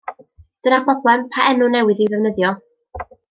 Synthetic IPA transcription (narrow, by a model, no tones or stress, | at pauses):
d̥ənabɔblˠɛmpʰaʔɛnʊnɛwɪðivɛvnəðjɔ